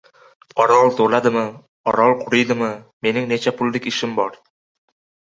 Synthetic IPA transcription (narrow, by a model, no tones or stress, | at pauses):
ɒɾɑlˠt̪ʰolˠɑd̪ɪmɨ | ɒɾɑlˠqʰʊɾɯjd̪ɪmɨme̞nɪŋnet͡ʃapʰʊlʲˠːɪkʲɪʃɪmbɒɾ